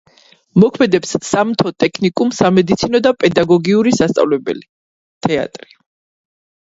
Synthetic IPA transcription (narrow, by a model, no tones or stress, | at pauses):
mɔkʰmɛd̪ɛpsːamt̪ʰɔt̪ʼɛkʰnikʼumsamɛd̪it̪sʰinɔd̪apʼɛd̪aɡɔɡiuɾisast̪sʼa̰vlɛbɛ̰li | t̪ʰɛa̰t̪ʼɾi